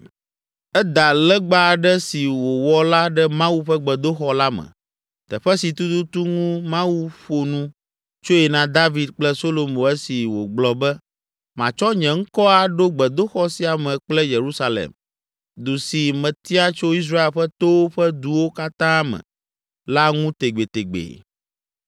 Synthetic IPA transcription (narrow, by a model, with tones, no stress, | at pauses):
ɛ˦d̪a˨lɛ˦ɡ͡ba˦˨ɖɛ˦si˨wo˨wɔ˦la˦ɖɛ˦mã˦wu˦ɸɛ˦ɡ͡bɛ˨d̪o˦xɔ˦la˦mɛ̰̃˨ | t̪ɛ˨ɸɛ˦si˨t̪u˦t̪u˦t̪u˦ŋũ˦mã˦wu˦ɸo˨nũ˦ | t͡ʃo˦jɛ˨nã˨d̪a˦vi˨d̪̚k͡plɛ˦so˦lo˨mõ˨ɛ˦si˨wo̰˨ɡ͡blɔ˨bɛ˦ | mã˨t͡ʃɔ˦ɲɛ̃˨ŋ̩˦kɔ˦a˨ɖo˦ɡ͡bɛ˨d̪o˦xɔ˦si˨a˨mɛ̃˨k͡plɛ˦je˨ɾu˦sa˦lḛ˨m | d̪u˨si˨mɛ̃˨t̪i˦a˦t͡ʃo˦i˦s̬ɾa˦e˨lɸɛ˦t̪o˦wo˦ɸɛ˦d̪u˨wo˦ka˦t̪ã˦mɛ̰̃˨ | la˦ŋũ˦t̪e˨ɡ͡be˨t̪e˨ɡ͡bḛ˨